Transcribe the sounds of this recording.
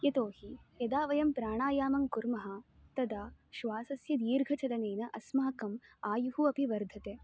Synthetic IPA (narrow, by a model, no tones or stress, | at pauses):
jɐt̪oːhijɐd̪aːʋɐjɐmpɾaːɳaːjaːmɐŋkuɾmɐɦɐ̆ | t̪ɐd̪aːʃʋaːsɐsjɐd̪iːɾɡʱɐt͡ʃɐlɐneːnɐʔɐsmaːkɐmaːjuhuɐpiʋɐɾd̪ʱɐt̪eː